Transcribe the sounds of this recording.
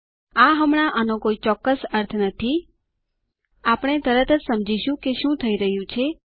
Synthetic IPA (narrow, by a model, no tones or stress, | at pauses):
aɦəmɳ̃aʔənõkoit͡ʃɔkːəsəɾt̪ʰnət̪ʰi | apəɽ̃et̪əɾət̪ʰəd͡ʒsəmd͡ʒiʃũkeʃũt̪ʰəiɾəɦjũt͡ʃʰe